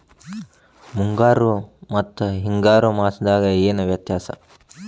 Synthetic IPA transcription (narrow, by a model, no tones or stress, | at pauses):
muŋɡaːɾumɐt̪ːuɦiŋɡaːɾumaːsɐd̪aːɡɐeːnuʋjɐt̪jaːsɐ̰